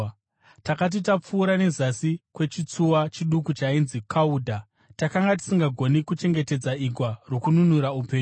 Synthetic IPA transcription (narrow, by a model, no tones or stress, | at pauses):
takat̬it̬ap͡fuːɾane̞zasikwe̞t͡ʃit͡suwat͡ʃiɗukut͡ʃainzikʰauːdʱa | takaŋɡat̬i̥siŋɡaɡʱo̞nikut͡ʃe̞ŋɡe̞te̞d͡zaiɡʱwaro̞kununuɾaupe̞ːɲu